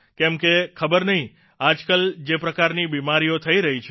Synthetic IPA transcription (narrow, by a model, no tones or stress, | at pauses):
kɛmkekʰəbəɾnəɦĩ | ad͡ʒkəld͡ʒepɾəkaɾnibimaɾijot̪ʰəiɾəɦit͡ʃʰ